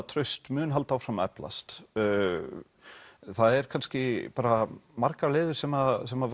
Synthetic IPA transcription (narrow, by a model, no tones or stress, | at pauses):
t̪ʰɾœɥst̪mʏːnɦalt̪awfɾamɛ̰pla̰st̪ː | θaðɛɾ̥kʰanscɪpaːɾamaɾkaɾlɪːðʏ̥sɛmasɛmav